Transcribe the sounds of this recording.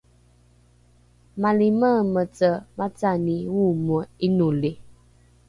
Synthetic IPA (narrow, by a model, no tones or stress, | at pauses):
maliməmət͡səmat͡saniwuməinule